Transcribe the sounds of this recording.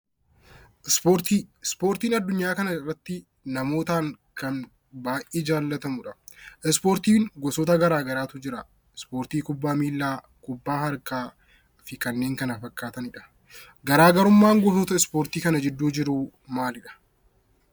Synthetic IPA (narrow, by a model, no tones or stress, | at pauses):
ʔɪspoːɾt̪iːspo̞ːɾt̪iːnɐd̪ːʊɲːaːkɐnɐrːɐt̪ːɪ | nɐmo̞ːt̪aːŋkɐn | baːjʔeːd͡ʒaːlːɐt̪ɐmʊᶑɐʔɛspoːɾt̪iːŋɡɔsɔːt̪ɐɡɐɾaːɡɐɾaːt̪ʊd͡ʒɪɾɐ | ɪspo̞ːɾt̪iːkʊbːaːmiːlːaː | kʊbːaːhɐɾkaː | fɪkɐnːeːŋkɐnɐfɐkːaːt̪ɐnɪᶑɐ̥ | ɡɐɾaːɡɐɾʊmːaːŋɡɔsɔːt̪ɐɪspo̞ːɾt̪iːkɐnɐd͡ʒɪd̪ːuːd͡ʒɪɾuːmaːlɪᶑɐ̥